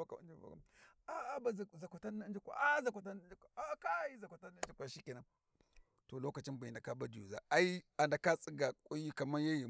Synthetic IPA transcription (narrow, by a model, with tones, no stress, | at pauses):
a˦ka̰˨˦d͡ʒi˦va̰˨ka̰˦a˦a˦ba˨za˨ka˨ta˦na˦d͡ʒi˦kʷa̰˨ʔa˦za˨kʷa˨ta˦n˦d͡ʒi˦kʷa˨a˦ka˦ji˦za˨kʷa˨ta˦na˦n˦d͡ʒi˦kʷa˨ʃi˦ki˨na˨ | to˨lo˦ka˨t͡ʃi˦ba˨i˨nda˨ka˦ba˦di˨ju˨za˨a˦i˦a˨nda˨ka˦t͡sʼi˦ɡa˨kʷʼu˦ji˦ka˨ma˦ja˦ji˨